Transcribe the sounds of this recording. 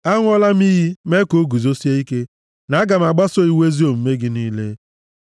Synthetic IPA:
a˦ŋʷ˦ɔ˦la˦m˦i˦ɦi˦me˦ko˨˦ɡu˨zo˦si˦e˦i˦ke˦ | na˨a˦ɡa˨m̩˨a˨ɡ͡ba˦so˦i˦we˦zi˦o˨m̩˨˦me˦ɡɪ˦niː˦lḛ˦

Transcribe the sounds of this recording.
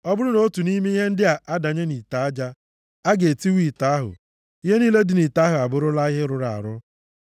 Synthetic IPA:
ɔ˦bʊ˦ɾʊ˦no˦tu˨ni˦me˦i˦ɦe˦n̩˦dɪ˦a˨ʔa˦da˨ɲe˦ni˨ta˨a˦d͡ʒa˦ | a˦ɡe˨ti˦wi˦˨ta˨˦a˦ɦʊ̰˨ | i˦ɦe˦niː˦le˦dɪ˨ni˨ta˨˦ɦʊ˨a˨bʊ˦ɾʊ˦la˦ɪ˦ɦɪ˦ɾʊ˨ɾa˨a̰˨ɾʊ˦

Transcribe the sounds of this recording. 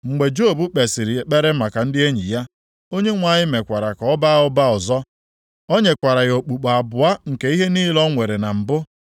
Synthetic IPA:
ŋ͡m̩˨ɡ͡be˨d͡ʒo˦˨bu˦k͡pe˨sɪ˨ɾɪ˨k͡pe˦ɾe˦ma˨ka˨n̩˦dɪ˦e˦ɲḭ˨ja˦ | o˦ɲe˦ŋʷa˨ɲɪ˦me˨kʷa˨ɾa˨kɔ˨˦ɔ˦ba˦ʊ˦ba˦ʊ˨zɔ˦ | o˦ɲe˨kʷa˨ɾa˨jo˨k͡pu˨k͡pa˨bʊ˨a˦ŋ̩˨ke˨i˦ɦe˦niː˦lɔ˦ŋʷe˨ɾe˨na˨m̩˨bʊ˦

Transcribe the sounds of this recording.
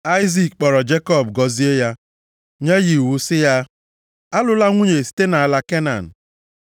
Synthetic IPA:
a˦ɪ˦zi˦˨k̚k͡pɔ˨ɾɔ˨d͡ʒe˦kɔ˦˨bɡɔ˨zi˦e˦ja˦ | ɲe˦ɣi˨wu˨sɪ˦ja˦ | a˦lʊ˦la˦ŋʷu˦ɲe˨si̥˦te˦na˨a˨la˦ke˦na̰˨n̩˨

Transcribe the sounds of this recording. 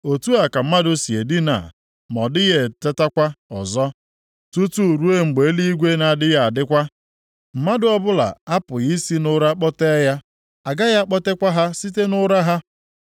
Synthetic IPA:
o˨tu˦a˨ka˨m̩˦ma˦dʊ˦si˨e˨di˦na̰˨ | mɔ˨dɪ˦ɣe˨te˦ta˦kʷa˦ɔ̰˨zɔ˦ | tu˦tu˦˨ɾu˦e˦ŋ͡m̩˨ɡ͡be˨e˦li˦i˦ɡʷe˦na˨dɪ˦ja˨a˨dɪ˦kʷa˦ | m̩˨ma˦dʊ˦ɔ˦bʊ˦la̰˨a˦pʊ˨ɣi˦si˦nʊ˦ɾa˦k͡pɔ˦te˦ja˦ | a˨ɡa˦ja˦k͡pɔ˦te˦kʷa˦ɦa˦si˦t̬e˦nʊ˦ɾa˦ɦa˦

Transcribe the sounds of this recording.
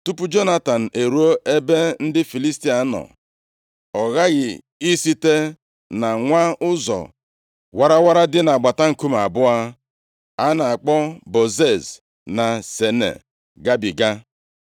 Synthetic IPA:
tu˦pu˦d͡ʒo˦na˦ta˨n̩˨ʔe˨ɾu˦o˦ʔe˦be˦n̩˦dɪ˦fi˨li˦sti˦a˨˦nɔ̰˨ | ɔ˨ɣa˦ɣɪ˨ | i˦si˦te˦ | na˨ŋʷa˦ʊ˦zɔ̰˨ | wa˦ɾa˦wa˦ɾa˦dɪ˦na˨ɡ͡ba˨ta˦ŋ̩˨ku˦m˨a˨bʊ˦a˦ | a˦na˨a˨k͡pɔ˦bo˨ze˦˨z | na˨se˨nḛ˨ | ɡa˦bi˨ɡa˦

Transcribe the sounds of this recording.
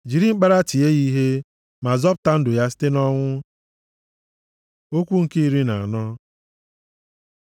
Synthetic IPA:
d͡ʒi˨ɾi˦ŋ͡m̩˦k͡pa˦ɾa˦ti˨e˦i˦ɦe˦ | ma˨zɔ˦pʊ̥˨ta˦n̩˦dʊ˨ja˦s̬i̥˦te˦nɔ˦ŋʷʊ˦ | o˦kʷu˦ŋ̩˨ki˦i˦ɾi˦na˨a˨nɔ˦

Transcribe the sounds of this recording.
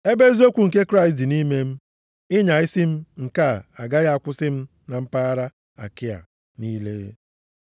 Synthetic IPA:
e˦be˦zo˦kʷu˨ŋ̩˨ke˦kɾa˦ɪ˨s̬ti˨ni˦me˦m̩˦ | ɪ˦ɲa˨ɪ˦si˦m̩˦ŋ̩˨ka˦˨a˨ɡa˦ɣa˦a˦˨kʷʊ˦sɪ˦m̩˦ | na˨m̩˦pa˦a˦ɾa˦ | a̰˨kɪ˦a̰˨ | ni˦lḛ˦

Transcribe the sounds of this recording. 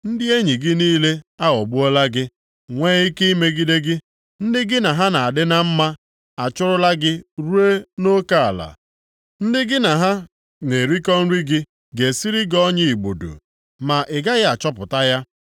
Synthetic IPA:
n̩˦dɪ˦e˦ɲi˨ɡɪ˦niː˦le˦a˦ɣɔ˨ɡ͡bʊ˦ɔ˦la˦ɡɪ˦ | ŋʷeː˦i˦ke˦i˦me˦ɡi˦de˦ɡɪ˦ | n̩˦dɪ˦ɡɪ˦na˨ɦa˦na˨a˨dɪ˦na˦m̩˦ma˦ | a˨t͡ʃʊ˦ɾʊ˦la˦ɡɪ˦ɾu˦e˦no˦ka˦a˨la̰˨ | n̩˦dɪ˦ɡɪ˦na˨ɦa˦ | ne˨ɾi˦kɔ˦n̩˦ɾi˦ɡɪ˦ | ɡe˨si˦ɾi˦ɡɔ˦ɲɪ˦i˨ɡ͡bo˨do̰˨ | ma˨ʔɪ˨ɡa˦ɣɪ˦a˨t͡ʃɔ˦pʊ˨ta˦ja˦

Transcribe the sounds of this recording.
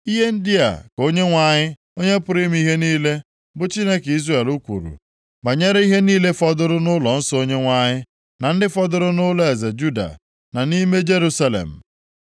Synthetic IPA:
i˦ɦe˦n̩˦dɪ˦a̰˨ko˦ɲe˦ŋʷa˨ɲɪ˦ | o˦ɲe˦pʊ˨˦ɾi˦m˦i˦ɦe˦niː˦le˦ | bʊ˨t͡ʃi˦ne˦ki˦ze˨lu˦kʷṵ˨ɾṵ˨ | ba˨ɲe˦ɾe˦i˦ɦe˦niː˦le˦fɔ˦dʊ˦ɾʊ˦nʊ˦lɔ˨n̩˦sɔ˦o˦ɲe˦ŋʷa˨ɲɪ˦ | na˨n̩˦dɪ˦fɔ˦dʊ˦ɾʊ˦nʊ˦lɔ˦e˨ze˨d͡ʒu˦da̰˨ | na˨ni˦me˦d͡ʒe˦ɾu˦sa˦lḛ˨m̩˨

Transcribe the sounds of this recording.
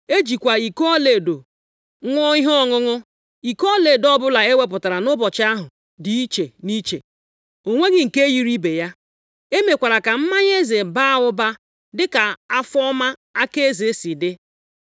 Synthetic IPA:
e˦d͡ʒi˨kʷa˨i˨ko˦ɔ˦le˨do˨ | ŋʷɔ˦i˦ɦɔ˦ɔ˦ŋʊ˦ŋʊ˦ | i˨kɔ˦le˨dɔ˦bʊ˦la˨e˦we˦p̬ʊ˨ta˨ɾa˨nʊ˦bɔ˨t͡ʃɪ˦a˦ɦʊ˨ | di˨i˦t͡ʃe˨ni˦t͡ʃḛ˨ | o˨ŋʷe˦ɡɪ˦ŋ̩˨ke˦ji˦ɾi˦be˨ja˦ | e˦me˨kʷa˨ɾa˨ka˨m̩˦ma˦ɲ˦e˦ze˨ba˦a˦˨ʊ˦ba˦ | dɪ˦ka˨a˦fɔ˦ma˦a˦ke˦e˦ze˨˦si˨dɪ˦

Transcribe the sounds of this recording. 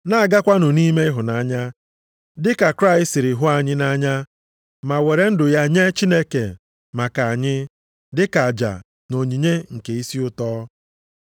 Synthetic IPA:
na˦a˨ɡa˦kʷa˦nʊ˨ni˦me˦ɪ˦ɦʊ˨na˦˨ɲa˦ | dɪ˦ka˨kɾa˦˨ɪ˦stɪ˨ɾɪ˨ɦʊ˦a˨ɲɪ˦na˦ɲa˦ | ma˨we˨ɾe˨n̩˦dʊ˨ja˦˨ɲe˦t͡ʃi˦ne˦kḛ˨ | ma˨ka˨a˨ɲɪ˦ | dɪ˦ka˨a˨d͡ʒa̰˨ | no˨ɲi˨ɲe˦ŋ̩˨ke˨i˦si˦ʊ˦tɔː˦

